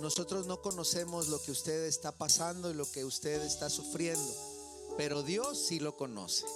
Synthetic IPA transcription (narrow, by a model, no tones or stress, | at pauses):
no̞so̞t̪ɾo̞zno̞ko̞no̞se̞mo̞zlokeust̪e̞ðest̪apasand̪o̞ilo̞ke̞ust̪e̞ðe̞st̪asufɾje̞nd̪o̞ | pe̞ɾo̞ðjo̞sːilo̞ko̞no̞̰se̥